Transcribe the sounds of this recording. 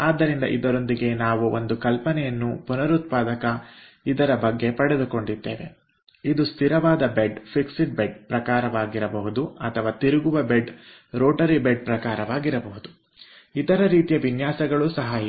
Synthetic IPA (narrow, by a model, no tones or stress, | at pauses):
aːd̪ːɐɾind̪ɐ̰ʔid̪ɐɾo̞nd̪iɡe̞naːʋuo̞nd̪ukɐlpɐnɛjɐnːupunɐɾut̪̚paːd̪ɐkɐ | id̪ɐɾɐbɐɡːe̞pɐɽed̪uko̞ɳɖid̪ːḛːʋe̞̰ | id̪ust̪ʰiɾɐʋaːd̪ɐbeɖpʰiksiʈ̚beɖ̚pɾɐkaːɾɐʋaːɡiɾɐbɐɦud̪uɐ̰t̪ʰɐʋaːt̪iɾuɡuʋɐbeɖ | ɾoːʈɐɾibeɖ̚pɾɐkaːɾɐʋaːɡiɾɐbɐɦud̪u | it̪ɐɾɐɾiːt̪ijɐʋinjaːsɐɡɐɭusɐɦai